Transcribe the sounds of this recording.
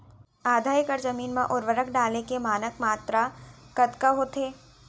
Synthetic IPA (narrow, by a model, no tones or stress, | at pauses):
aːd̪ʱaːjkəɾzəmiːnmẽʔʊɾʋəɾəkʰɖaːlekemaːnəkmaːt̪ɾakɐt̪kaɦoːt̪ʰeː